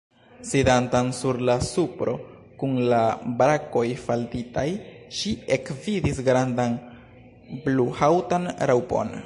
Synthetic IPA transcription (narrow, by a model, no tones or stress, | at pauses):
sidantansuɾlasupɾo̞ | kunlabɾako̞jfaltitajʃie̞kvidisɡɾandan | bluhawtanɾawpo̞̰n